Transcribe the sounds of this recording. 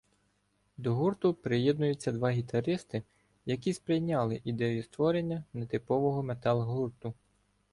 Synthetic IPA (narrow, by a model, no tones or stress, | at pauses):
d̪ɔɦurt̪ʊpɾɪjɛd̪̚nʊjʊt͡sʲːɐd̪ʋɑɦʲit̪ɐɾɪst̪ɪ | jɐk̬ʲispɾɪjnʲɑlˠɪʔid̪ɛjʊst̪ʋɔɾe̞nʲːɐnet̪ɪpɔʋɔɦɔmet̪ɑlʲˠɦurt̪ʊ